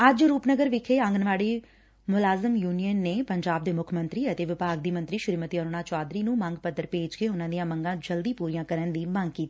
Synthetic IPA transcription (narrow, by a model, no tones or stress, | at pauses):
əd͡ʒɾuːpnəɡəɾʋɪkʰeːə̃ŋɡənʋaːɽiː | mʊlaːzəmjuːnijənːeːpəɲd͡ʒaːb̚d̪eːmʊkʰmənt̪ɾiːət̪eːʋɪpaːɡd̪iːmənt̪ɾiːʃɪɾiːmət̪iːɔːɾʊnãːt͡ʃaːd̪ɾiːnũːməŋɡpəd̪əɾpeːd͡ʒkeːʊnãːd̪ijãːməŋɡãːd͡ʒəld̪iːpuːɾiːãːkəɾənd̪iːmə̃ŋɡkiːt̪iiː